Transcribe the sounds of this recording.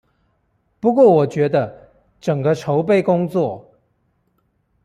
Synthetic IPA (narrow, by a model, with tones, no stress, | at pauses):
pu˧˥kwɔ˥˩wɔ˨˩t͡ɕɥɛ˧˥d̪ə˧ | ʈ͡ʂə˨˩ŋɡə˦ʈ͡ʂʰo˧˦ʊpe˥˧ɪkʊ˥ŋt͡swɔ˥˨